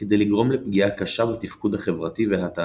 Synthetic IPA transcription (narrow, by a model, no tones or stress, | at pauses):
ked̪ejliɡʁo̞mlepɡiakaʃabet̪ifkud̪haχe̞vʁat̪iveɦat̪a